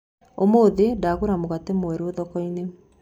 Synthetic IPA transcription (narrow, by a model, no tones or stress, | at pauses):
omoðedaɣuɾamoɣatemoeɾoðɔkɔine